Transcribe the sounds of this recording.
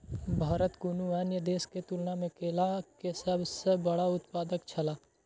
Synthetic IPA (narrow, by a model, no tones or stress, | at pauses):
bʱaːɾət̪kunuɛːnjəd̪eːsket̪ulnamẽkeːlakesəbsəbəɽaʊt̪paːd̪əkt͡ʃʰɐlaː